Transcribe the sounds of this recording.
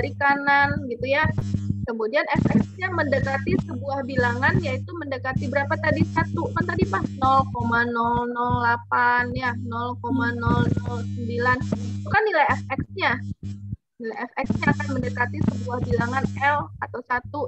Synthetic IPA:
daɾikananɡit̪ujakəmudianɛfɛksɲaməndəkat̪isəbuahbilaŋanjait̪uməndəkat̪ibəɾapat̪adisat̪ukant̪adipasnɔlkomanɔlnɔllːapanjanɔlkomanɔlnɔlsəmbilanit̪ukanːilajɛfɛksɲa | nilajɛfɛksɲaːkanməndəkat̪isəbuahbilaŋanɛlat̪awsat̪u

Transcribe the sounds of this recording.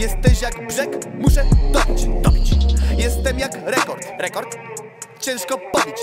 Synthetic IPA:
jɛst̪ːɛɕjaɡbʐɛkmuʂɛd̪ɔbʲit͡ɕd̪ɔbʲit͡ɕjɛst̪t̪ːɛmjakɾɛkɔɾt̪ɾɛkɔɾt̪ | t͡ɕɛ̃w̃ʂkɔpɔbʲit͡ɕ

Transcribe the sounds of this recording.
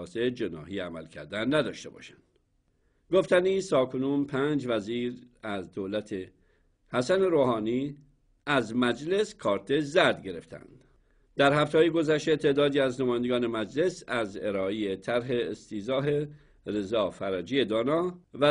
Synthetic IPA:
sed͡ʒe̞nɒ̰ːhiːeæmælcʰæɾd̪ænːæd̪ɒːʃt̪e̞bɒ̰ːʃæ̥nd̪̥ | ɡo̞ft̪æniːzt̪ʰɒːkʰonuːmpʰænd͡ʒvæziːɾ | æzd̪oːlæt̪ʰe̞ | hæsæneɾoːhɒːniː | æzmæd͡ʒle̞skʰɒːɾt̪ʰe̞zæɾd̪ɟe̞ɾe̞ft̪ʰæ̰nd̪̥ | d̪æɾɦæft̪eɒːjeɡo̞zæʃt̪et̪ʰe̞ːd̪ɒːd̪iːæznæmɒːjænd̪ɡɒːne̞mæd͡ʒle̞sæzeɾɒːejet̪ʰæɾɦe̞ːst̪iːzɒːɦe̞ | ɾezɒːfæɾɒːd͡ʒiːje̞d̪ɒːnɒːvæ

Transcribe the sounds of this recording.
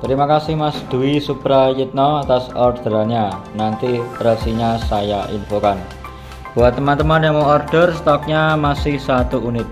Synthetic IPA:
t̪əɾimakasɪhmasd̪̥ṳwisupɾajit̪̚nɔat̪asɔrd̪̥əɾanianant̪irasiɲasajaʔḭnfokan | b̥ṳat̪ːəmant̪əmanjaŋmoɔrɖ̪̥ə̤rst̪ɔk̚ɲamasɪhsat̪uunɪt̪̚

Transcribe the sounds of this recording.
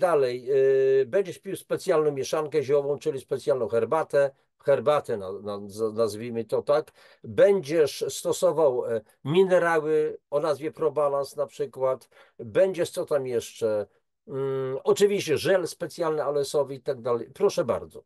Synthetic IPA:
d̪alɛjbɛɲd͡ʑɛʂpʲiwspɛt̪sʲjalnɔ̃w̃mʲjɛʂaŋkɛʑɔvɔ̃w̃t͡ʂɘlʲispɛt̪sʲjalnɔ̃w̃xɛɾbat̪ɛ | xɛɾbat̪ɛnananazvʲimɘt̪ɔt̪ak | bɛɲd͡ʑɛʂst̪ɔsɔvaw | mʲinɛɾawɘɔnazvʲjɛpɾɔbalansnapʂɘkwat̪ | bɛɲd͡ʑɛʂt̪ɔt̪amjɛʂt͡ʂɛ | ɔt͡ʂɘvʲiɕt͡ɕɛʐɛlspɛt̪sʲjalnɛalɛsɔvɘit̪aɡ̚d̪alɛjpɾɔʂɛba̰ɾd̪zɔ

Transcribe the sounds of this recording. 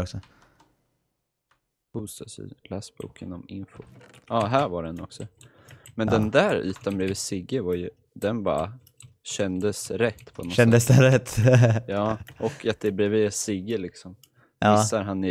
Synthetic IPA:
ksɔ | b̥uːst̪asɪ̰lɛːsbṵːkʰənɔmɪnfʊɑːɦæːɾvaɖɛnɔksɔ | mɛnd̪ɛnd̪æɾy̰ːt̪anblɛvsɪɡəvaɾjɵ | d̪ɛnbɑ̰ːɾa | ɕɛnd̪əsɾɛt̪ːpʰɔnɔɛd̪əsd̪ɛɾɛt̪ːjɑːʔɔkːʰat̪̚d̪ɛblɛvɛsɪɡəlɪksɔm | vɪsːaɾɦanːɪ

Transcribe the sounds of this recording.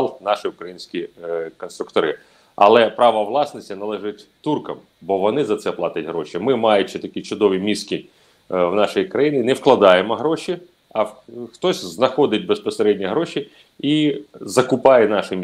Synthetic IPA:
lˠnɑʃɪʊkɾɐjinʲsʲkʲikɔnst̪ɾʊkt̪ɔɾɪ | ɐ̰lˠɛpɾɑʋɐʋlˠɑsnɪsʲɐnɐlˠɛʒɪtʲt̪urkɐm | bɔʋɔnɪzɐt̪sɛplˠɑt̪ɪtʲɦɾɔʃʲimɪmɑjʊt͡ʃːɪt̪ɐkʲit͡ʃʊd̪ɔʋʲimʲiskʲi | wnɑʃɔjikɾɐjinɪnɛwklˠɐd̪ɑjemɔɦɾɔʃʲi | ɐxt̪ɔsʲznɐxɔd̪ɪtʲbespɔseɾɛdʲnʲɐɦɾɔʃʲi | izɐkʊpɑjɛnɑʃɪmʲi

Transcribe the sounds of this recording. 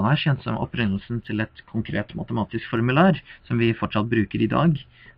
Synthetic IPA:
nəæʂjɛnt̪sɔ̰mɔ̰pɾɪnəl̩sn̩t̪ʰɪlɛt̪kʰʊŋkʰɾeːt̪mɑt̪əmɑːt̪ɪskfɔɾmʉlæːɾsɔmʋɪfɔʈʂɑt̪̚bɾʉːkəɾɪd̪ɑ̰ːɡ

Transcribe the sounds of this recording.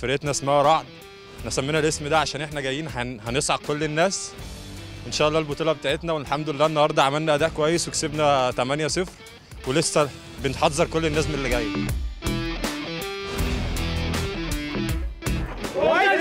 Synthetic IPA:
feɾʔet̪næesmæhæɾˤɑʕd̪̚ˤ | næsæmːenælʔesmd̪æʕaʃæːnʔeħnæɡæjːiːnħæhænesˤʕɑq̚kːolːenːæːs | ʔenʃæːʔɑlˤːɑːlbot̪ˤælæbet̪aːʕet̪næwelħamd̪olelːæːʔenːɑhɑɾˤd̪ˤɑʕamælnæʔæd̪æːʔkowæjːesweksebnæt̪æmænjæsˤefɾ | welesːæ | benet̪ħɑd̪zːɑɾˤkolːenːæːsmelːiɡæjːæ

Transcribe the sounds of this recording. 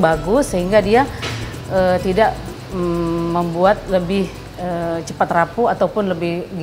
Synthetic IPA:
baɡʊsːəɦiŋɡadia | əːt̪idaʔ | əmbuat̪̚ləbɪh | ət͡ʃəpat̪rapuat̪awpʊnləbɪhɡ

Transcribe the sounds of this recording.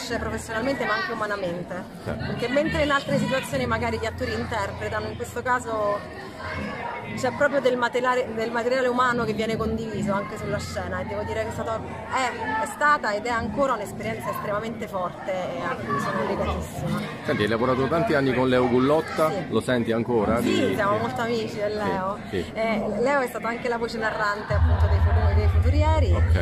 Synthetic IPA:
ʃːepɾofesːjonalment̪emaaŋkeumanament̪ḛ | perk̟emːent̪ɾeinalt̪ɾes̬it̪uat̪sːjoːnimaɡaːɾiʎiat̪ːoːɾiːnt̪ɛrpɾet̪anoiŋkwest̪okaːzo | t͡ʃɛpːɾɔːp̬ɾjod̪elmat̪eɾjaːled̪elmat̪̬eɾjaːleumaːnokevːjɛːnekond̪iviːzoaŋkesulːaʃːɛːnaed̪ːɛvod̪iːɾekest̪aːt̪o | ɛest̪aːt̪aed̪ɛaŋkoːɾaunespeɾjɛnt̪saest̪ɾemament̪efɔrt̪eːakisonoeɾeɡat̪isːima | sɛnt̪iajlavoɾaːt̪ot̪ant̪ianːikonlɛoɡulːɔt̪ːalosɛnt̪iaŋkoːɾaisjaːmomolt̪oamiːt͡ʃid̪elːɛːo | ḭɛlɛːoɛst̪aːt̪aaŋkelavoːt͡ʃenarːant̪eapːunt̪od̪ejfuɾuid̪ejfut̪uɾjɛːɾi

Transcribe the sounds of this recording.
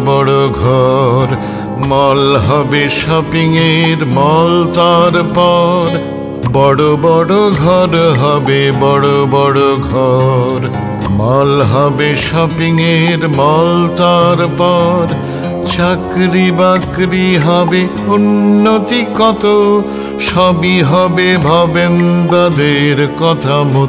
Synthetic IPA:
bɔɽoɡʱɔɾ | mɔlɦɔbeʃɔpiŋeɾmɔlt̪aɾpɔɾ | bɔɽobɔɽoɡʱɔɾɦɔbebɔɽobɔɽoɡʱɔɾ | mɔlɦɔbeʃɔpiŋeɾmɔlt̪aɾpɔɾ | t͡ɕakɾibakɾiɦɔbe | unːot̪ikɔt̪o | ʃɔbiɦɔbebʱɔbend̪ad̪eɾkɔt̪ʰamo

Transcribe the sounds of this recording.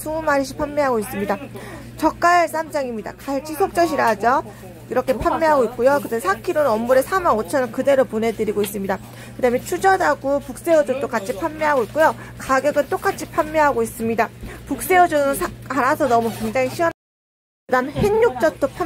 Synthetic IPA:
sʰuumaɾiɕ̬ʰipʰamːeɦaɡois͈ɯmɲida | t͡ɕʌk̚k͈aɭs͈amd͡ʑaŋimɲida̰kat͡ɕʰisʰok̚t͡ɕ͈ʌɕʰiɾad͡ʑʌ | iɾʌkʰe̞pʰamːeɦaɡoik̚k͈ojokɯdesʰakʰiɾonɯnʌmːuɾe̞sʰamanot͡ɕʰʌnɯnkɯde̞ɾopone̞dɯɾiɡois͈ɯmɲida | kɯdamjet͡ɕʰud͡ʑʌdaɡopuk̚s͈e̞od͡ʑot͈okat͡ɕʰipʰamːeɦaɡoik̚k͈ojo | kaɡjʌɡɯnt͈ok͈at͡ɕʰipʰamːeɦaɡois͈ɯmɲidapuk̚s͈e̞od͡ʑonɯnsʰaaɾasʰʌnʌmukwe̞ŋd͡ʑaŋiɕʰiʌ | kɯdamhenɲuk̚t͡ɕ͈ʌt͈ʰopʰa

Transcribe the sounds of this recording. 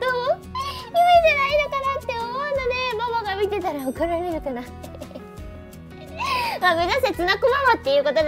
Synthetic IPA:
oː | imeʑanainokanat̪ːe̞omoɯnane̞mamaɡamʲit̪e̞t̪aɾaokɯɾaɾe̞ɾɯ̟kanat̪ːe | mame̞zaset͡sɨnakɯ̟mamat̪ːe̞jɯ̟ːkot̪o

